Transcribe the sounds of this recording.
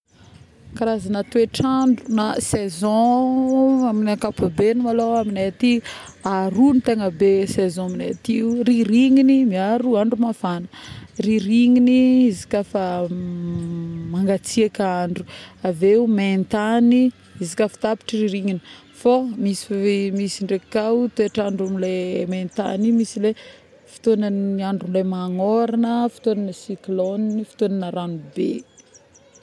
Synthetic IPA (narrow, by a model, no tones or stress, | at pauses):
kaɾazanat̪ueʈ͡ʂaɳɖ͡ʐunasezɔ̃ | aminakapubenimaloaminet̪i | aɾunit̪eŋəbesezɔ̃minet̪iuriɾiŋinimiaɾuaɳɖ͡ʐumavanə̥riɾiŋiniizi̥kafa | maŋɡat͡siakaɳɖ͡ʐu̥aveument̪ani | izikʲəfi̥t̪api̥ʈ͡ʂiriɾiŋini | fomisi̥misiɳɖ͡ʐekikaut̪eʈ͡ʂaɳɖ͡ʐumlement̪a̰nimisile | fi̥t̪onanaɳɖ͡ʐunlemaŋoɾanəfi̥t̪onanəsiklonnifi̥t̪onanəɾanube